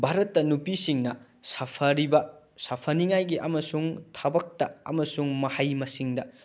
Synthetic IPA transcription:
bʱaɾɐtːɐnupisiŋnɐ | sɐpʰɐɾibɐ | sɐpʰɐniŋajɡiʔɐmɐsuŋtʰɐbɐk̚tɐɐ̰mɐsuŋmɐhɐjmɐsiŋdɐ

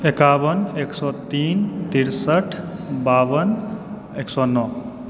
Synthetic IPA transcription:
ekawəneksɔt̪iːnt̪iɾsəʈʰbaːʋən | eksɔːnːɔ

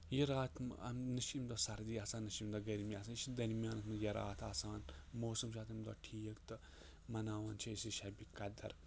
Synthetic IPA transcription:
jiɾaːt̪ʰmɐ̰mnɨʃimd̪oːsɐɾd̪iːaːsaːnːɐʃimd̪ɔːɡɐɾmiaːsaːnʃid̪ɐɾmijaːnɐt̪mɐjɐɾa̰ːt̪ʰaːsaːnmoːsɨmʃaːt̪ɐmd̪ɔ̰ːʈʰiːɐkt̪ɨ | mɐnaːʋaːnt͡ʃʰiisiʃɐbikɐd̪ɐ̰ɾ

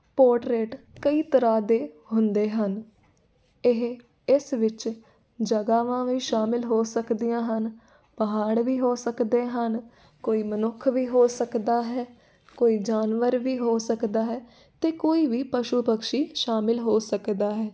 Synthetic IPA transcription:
poːʈɾeːʈkəiːt̪əɾaːd̪eːhʊnd̪eːɦən | ɪɦ | ɪsʋɪt͡ʃ | d͡ʒəɡaːʋãːʋiːʃaːmɪlɦoːsəkd̪ijãːɦən | pəɦaːɽʋiːɦoːsəkd̪eːɦən | koːiːmənʊkʰʋiːɦoːsəkd̪aːɦɛː | koːiːd͡ʒaːnʋəɾʋiːɦoːsəkd̪aːɦɛː | t̪eːkoːiːʋiːpəʃuːpəkʃiːʃaːmɪlɦoːsəkd̪aːɦɛː

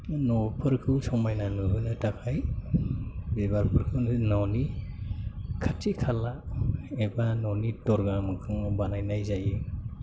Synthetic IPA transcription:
nɔpʰɯɾkʰɯwsɔmajnanɯɦɯnatakʰaj | bebaɾpʰɯɾkʰɯwnnɔni | kʰatʰikʰalaebanɔnitɔɾɡamɯkʰɯŋbanajnajzaji

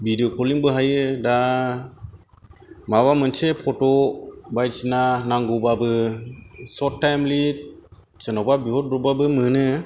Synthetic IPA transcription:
bidiokʰɔliŋbɯɦajɯda | maβamənt͡ʃʰepʰɔtɔbajt͡ʃinanaŋɡubabɯ | sɔttːajmlit̚ | t͡ʃənɔbabiɦɔt̚bɾɔbabɯmɯnɯ

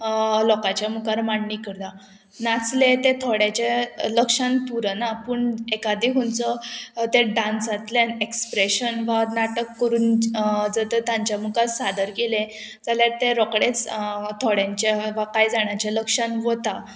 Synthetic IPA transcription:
lɔkat͡ɕjamukaɾmaɳːikəɾd̪a | nat͡slẽt̪et̪ʰɔɽjat͡ɕeləkʂãnt̪uɾənapəɳekad̪iɦunt͡sət̪eɖãnsat̪lenekspɾeɕənʋanaʈəkːəɾuːnd͡zət̪ət̪jãɲt͡ɕjamukasad̪əɾkelẽ | d͡zaljaɾt̪eɾɔkɽet͡st̪ʰɔɽjaɲt͡ɕaʋakajd͡zaɳjat͡ɕeləkʂanʋət̪a

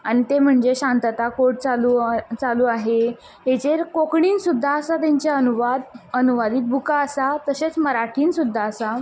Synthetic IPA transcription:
añit̪em̤əɳd͡zeɕant̪ət̪akoʈ̚t͡saluːt͡saluːaɦe | ɦet͡ɕeɾkokɳiːnsud̪ʱːaəsat̪aɲt͡ɕjaənuʋad̪ənuʋad̪iːt̪̚bʱukaəsat̪əset͡sməɾaʈʰiːnsud̪ʱːaəsa

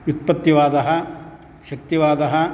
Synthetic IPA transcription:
ut̪̚pɐt̪ːjiʋaːd̪ɐɦɐ | ʃɐk̚t̪iʋaːd̪ɐɦɐ

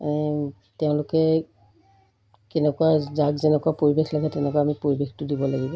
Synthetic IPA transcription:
tɛʊ̃lʊkɛ | kɛnɛkʊwazaɡzɛnɛkʊapoɹibexlaɡɛtɛnɛkʊaamipoɹibextʊdibɔlaɡibɔ

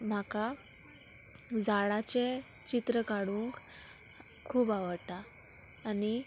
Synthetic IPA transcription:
m̤aka | d͡zaɭat͡ɕe | t͡ɕit̪ɾəkaɽuːŋk | kʰːuːbaʋəɽt̪aː | ni

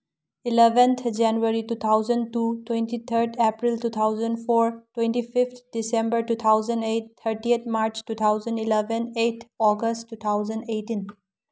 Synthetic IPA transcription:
ilebə̃nt̪ʰd͡ʒɛnuɐɾitut̪ʰawzə̃ntutwẽnʈit̪ʰəɾdepɾiltut̪ʰawzə̃npʰoɾtwẽnʈipʰipt̪̚ʰdisẽmbəɾʈut̪ʰawzə̃nɖet̚t̪ʰːəɾʈiet̪̚ʰmaɾt͡ʃʈut̪ʰawzə̃nɖilɛbə̃net̪ʰɔɡəsʈʈːut̪ʰawzə̃nɖeʈĩn

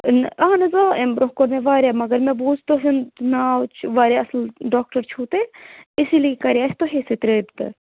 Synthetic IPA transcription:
nɐanɐzaːembɾoɦkoɾneʋaːɾʲjaːmɐɡɐɾmẽbuːzt̪oɦinnaːt͡ʃʰʋaːɾʲaɐslɖaːk̚ʈəɾt͡ʃʰuːt̪eɪsiliikɐɾijaːst̪oɦeset̪ɾeːbt̪ɨ̰

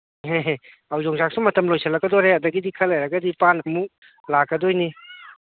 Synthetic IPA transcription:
ɦeɦ | awzɔŋzak̚sumɐtɐmlojsʰɐlːɐkɡɐdɔɾeɐdɐɡidikʰɐlːɐjɾɐɡɐdipanɐmu | lakːɐdojni

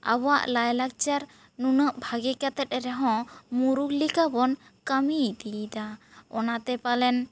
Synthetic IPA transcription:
a̰baʔlajlak̚t͡ʃaɾ | nunəʔbʱaɡɛkat̪ɛt̪̚ɾɛɦɔ̃muɾuklikabɔn | kamid̪id̪aɔnat̪ɛpalɛn

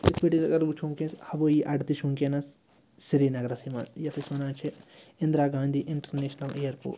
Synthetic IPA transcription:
ispeʈizɐɡɐɾbut͡ʃʰuŋkẽshɐbojiʔɐɖt̪iʃũŋkenɐs | siɾinɐɡɾɐsimɐ̰sjɐt̪ʰɐsunaːt͡ʃʰi | ĩnd̪ɾaːɡãːnd̪ʱiʔɪɳʈɐɾneːʃnɐleːjɐɾpṵːʈ

